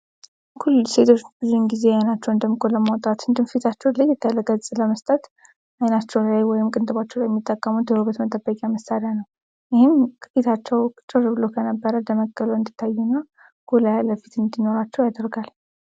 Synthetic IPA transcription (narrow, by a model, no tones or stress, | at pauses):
kʰulse̞t̪ʰo̞t͡ʃːbɨzunɡize̞janat͡ʃːɛwɨnd̪əmɨkʰoləmawt̪ʼat̪ɨnd̪ɨmfit̪ʰat͡ʃːɛwlajɛt̪ʰːələɡʼəsʼɨləməst̪ʼət̪ | ajnat͡ʃːɛwlajwɔjɪmkʼɨnt̪ʼɨβat͡ʃːɛwajɛmːit̪ʼːəkʼːəmut̪ʰɨɾoβət̪mət̪ʼəbːəkʼjaməsaɾjanəw | jɪhɪmfit̪ʰat͡ʃːɛwt͡ʃʼɨrbɨlokʰənəbːəɾəd̪əməɡʼːəluɨnd̪it̪ʰːajːɛnəw | ɡ̥olajaləfit̪ɨnd̪ino̞ɾat͡ʃːɛwjad̪əɾɡal